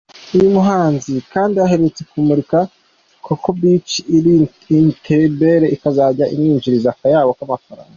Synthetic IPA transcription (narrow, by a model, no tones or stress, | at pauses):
uɾimuɦaːnzikaːndiaɦe̞ɾet͡se̞kumuɾika | kʰukobit͡ʃi | intʰebe̞ɾe̞ʔikazaɟaʔḭmŋiːɲd͡ʒiɾizakajaːβokamafaɾa̰ːŋɡa